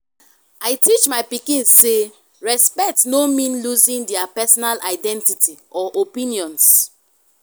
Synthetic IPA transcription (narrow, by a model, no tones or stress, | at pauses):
aɪtʰit͡ʃmaɪpikĩnsse | ɹɛspɛk̚tnomĩnluzĩŋdɛapɛsɔnalaɪdɛ̃ntitiʔɔʔopĩniɔ̃ns